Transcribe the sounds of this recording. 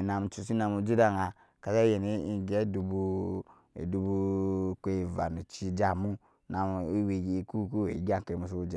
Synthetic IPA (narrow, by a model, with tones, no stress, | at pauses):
na˨m˨t͡ʃu˨s̬i˦na˨mu˨d͡ʒi˦da˦ŋa˨ | ka˨za˦je˨ni˦i˦ɡe˦du˨bu˦ | ḛ˨du˨bu˦ke˨va̰˨nu˨t͡ʃi˦d͡ʒa˨mu˦ | na˨m˨i˦wi˨ɡku˦ku˦we˨i˨˦ɡa˦ŋ˨ke˨mu˨s̬o˦u˦d͡ʒe˨